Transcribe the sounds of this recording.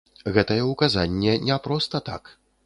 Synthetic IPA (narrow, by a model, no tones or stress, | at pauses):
ɣɛt̪ɐjɛwkazanʲːɛnʲɛpɾɔst̪ɐt̪a̰k